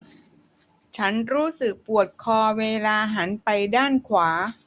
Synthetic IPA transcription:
t͡ɕʰa˦˥nɾuː˦˥sɯ˨˩k̚pu˨˩ət̪̚kʰɔː˧weː˧laː˧ɦa˩˦npa˧jdaː˥˩nkʰwaː˩˦

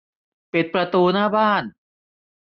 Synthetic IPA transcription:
pi˨˩t̪̚pɾa˧t̪uː˧naː˥˩baː˥˩n

